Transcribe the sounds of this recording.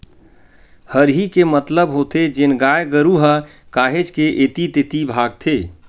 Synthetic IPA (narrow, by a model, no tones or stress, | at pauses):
həɾɦikemət̪ləbɦoːt̪ed͡ʒɪnɡaːjɡəɾuɦəkaːɦed͡ʒkeʔeːt̪it̪ɪt̪ibʱaːɡ̚t̪ʰeː